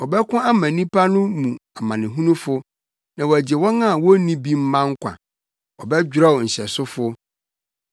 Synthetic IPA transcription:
wɔ˨bɛ˦kʰʊ̃˦a˦mã˨nĩ˦pʰa˦nʊ̃˦mũ˨a˨mã˨nɪ̃˨ɦũ˦nũ˦fʊ˦ | nã˨wɔ˨æ˨d͡ʑɪ˨wɔ̃˦nã˦˨wɔ˦nĩ˦bi˦m̩˦mã˦ŋ̩˦kʷʰã̰˨ | ɔ˨bɛ˦d͡ʑᶣɾɔ˦wn̩˨ɕɛ˨sʊ˦fʊ˦

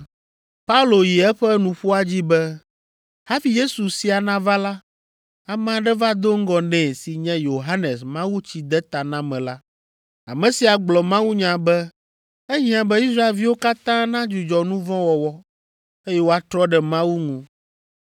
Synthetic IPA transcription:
pa˦u˦lo˨ji˨ɛ˦ɸɛ˦nũ˨ɸu˦a˦d͡ʑi˦bɛ˦ | ha˦fi˨je˦su˨si˦a˨nã˦va˦la˦ | a˨m̃˦ã˨ɖɛ˦va˦d̪o˦ŋ̩˦ɡɔ˨nɛ̃˨si˨ɲɛ̃˦jo˨ɦa˦nɛ˨smã˦wu˦t͡ɕi˨d̪ɛ˦t̪a˨nã˦mɛ̃˨la˦ | a̰˨mɛ̃˨si˨a˨ɡ͡blɔ˨mã˦wu˦ɲã˨bɛ˦ | ɛ˦ɲĩ˦ã˨bɛ˦i˦sɾa˦e˨lvi˦wo˦ka˦t̪ã˦nã˦d͡ʒu˨d͡ʒɔ˨nũ˦vɔ̃˦wɔ˨wɔ˦ | e˦jɛ˦wo˦a˨t̪ɾɔ˦ɖɛ˨mã˦wu˦ŋũ˨

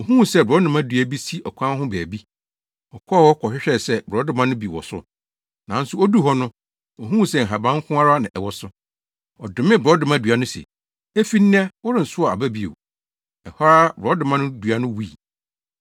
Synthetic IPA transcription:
ɔ˨ɦũ˦˨sɛ˦˨bɾɔ˦dʊ̃˨mã˦dɥæ˨bi˦si˦ʔɔ˨kʷʰã˦ɦʊ̃˦bæː˨bi˦ | ɔ˨kʰɔ˦˨wɔ˦kʰɔ˨ɕᶣɪ˦ɕᶣɛ˦˨sɛ˦bɾɔ˨˦dʊ˦mã˦nʊ̃˦bi˨wɔ̰˨sʊ̰˦ | nã˨n̩˦sʊ˦ɔ˦du˦ɦɔ˦nʊ̃˦ | ɔ˨ɦũ˦˨sɛ˦˨ŋ̩˨ɦa˨bã˦ŋ˦kʰʊ̃˦a˦ɾa˦nɪ̰̃˨ʔɛ˨wɔ˨sʊ˦ | ɔ˨dʊ˨mɪ̃˦bɔ˦dʊ̃˨mã˦du˨a˨nʊ̃˦sɛ̰˨ | e˦fi˦nːɪ̃˦ɛ˦wʊ˦ɾɪ̃˦˨n̩˨sʊ˦a˨a˨bæ˦bi˦ḛ˨w | ɛ˨hɔ˦ɾa˦bɔ˨˦dʊ̃˨mã˦nʊ̃˦du˨a˨nʊ̃˦wu˦i˨

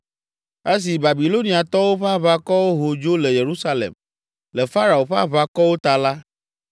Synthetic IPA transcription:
e˦s̬i˨ba˨bi˨lo˦nĩ˨a˨t̪ɔ˦wo˦ɸe˦a˦βa˦kɔ˦wo˦ɦo˨d͡ʒo˦lɛ˨je˨ɾu˦sa˦lḛ˨m | lɛ˨fa˦ɾa˨wo˨ɸa̰˦βa˦kɔ˦wo˦t̪a˨la˦

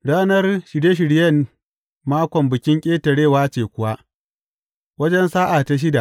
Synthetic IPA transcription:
ɽaː˦nɐ˦rʃɪ˨de˦ʃ̬ɪ˨ɽjɐ˦˨n | maː˦kʷɔ˨mbɪ˨kʲɪ˦ŋkʲʼeː˦tɐ˨ɽeː˦˨waː˦t͡ʃeː˨kʷʊ˦wa˦ʔ | wɐ˦d͡ʒɛ˦nsaː˦ʔa˨ta˦ʃ̬ɪ˦da˨ʔ

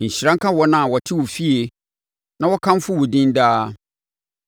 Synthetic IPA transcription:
n̩˨ɕɪ˨ɾã˦ŋka˦wɔ˦nã˦˨wɔ˨tʰɪ˦wʊ˨fi˦e˨ | nã˦wɔ˦kʰã˦m˦fʊ˦wʊ˨dĩ˦n˦daː˦

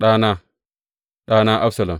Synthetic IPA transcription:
ɗa˦na˦ | ɗa˦na˦ʔa˦sa˨la˨m

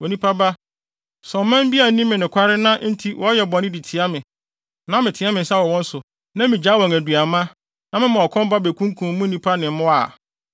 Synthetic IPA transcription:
wo˨nĩ˦pʰa˦ba˦ | sɔ̃˨m˦mɛ̃˦m˦bi˦a˨n˦nĩ˦mɪ̃˨nɪ̃˨kʷʰa˦ɾɪ˦nã˦n̩˦tʰi˦wʔɔ˨˦jɛ˨bɔ˨nɪ̃˦di˨tʰɪ˨a˦mɪ̃˨ | nã˦mɪ̃˨tʰɪ˨˦a˦mɪ̃˨sa˦wɔ˨wɔ̃˦n̩˦sʊ˨ | nã˦mĩ˨d͡ʑaː˨˦wɔ̃˨ŋæ˨du˨a˨mã˦ | nã˦mɪ̃˦mã˨ɔ˨kʰɔ̃˦m˦ba˦be˨kʰũ˦ŋ˦kʰũ˨m˦mũ˦nĩ˦pʰa˦nɪ̃˨m˦mʊ̃˦a̰˨

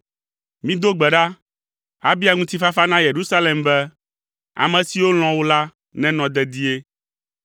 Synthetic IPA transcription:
mĩ˦d̪o˦ɡ͡bɛ˨ɖa˦ | a˦bi˦a˨ŋũ˦t̪i˦fa˦fa˦nã˦je˨ɾu˦sa˦le˨mbɛ˦ | a̰˨mɛ̃˨si˨wo˦l̃ɔ̃˨wo˦la˦ | nɛ̃˦nɔ̃˨d̪ɛ˨d̪i˦e˦

